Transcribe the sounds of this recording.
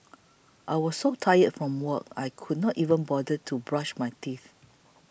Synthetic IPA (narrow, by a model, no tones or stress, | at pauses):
ʔajwɔssotʰajətfɹɔ̃mwəkajkʰudnɔtivə̃nbɔdətʰubɹaʃmajtiθ